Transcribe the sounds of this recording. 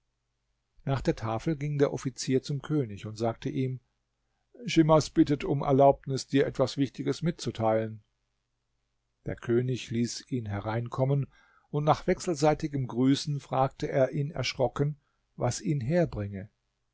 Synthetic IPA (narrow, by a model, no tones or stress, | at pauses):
naːχd̥eːɐtʰaːfl̩ɡɪŋdeːɐʔɔfit͡siːɐt͡sʊmkʰøːnɪçʊntz̥aːk̚tʰəʔiːm | ʃɪmasb̥ɪtətʰʊmɛ̰ɐlaʊpnɪsd̥iːɐʔɛtv̥asv̥ɪçtɪɡəsmɪt̚t͡sutʰaɪlən | d̥eːɐkʰøːnɪçliːsiːnɦɛʁaɪnkʰɔmən | ʊntnaːχv̥ɛksl̩zaɪtɪɡəmɡʁyːsn̩fʁ̥aːk̚təʔeːɐʔiːnɛ̰ɐʃʁ̥ɔkən | vasʔiːnɦeːɐbʁɪŋə